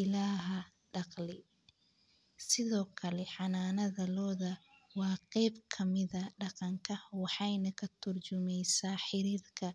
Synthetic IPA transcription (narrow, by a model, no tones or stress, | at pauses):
ɪlaːɦɐ | ɖɑqlɪ | sɪðɔːkʰɐlɛħɑnaːnɐðɐlɔːðɐwɑːqɛjbkʰɐmɪðɐɖɑqɑŋkʰɐwɑħɑjnɐkʰɐt̪ʰʊrt͡ʃʊmɛjsaːħɪɾiːrkʰɐ